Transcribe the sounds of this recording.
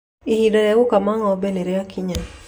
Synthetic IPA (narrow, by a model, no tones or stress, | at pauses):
ihidɔɛwʊkamaŋɔːbeneɾeakʰiɲa